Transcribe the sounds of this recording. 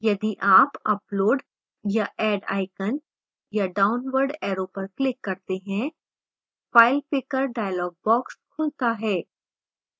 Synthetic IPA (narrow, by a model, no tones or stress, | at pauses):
jɐd̪iʔaːpɐploːɖ | jaʔɛːɖa̰ːɪkən | jaɖaːʊnʋəɾɖɛːɾoːpɐɾklɪkːɐɾt̪eɦɛ̃ | faːɪlpɪkəɾɖaːjlɔːɡ̚bɔːkskʰʊlt̪aɦɛː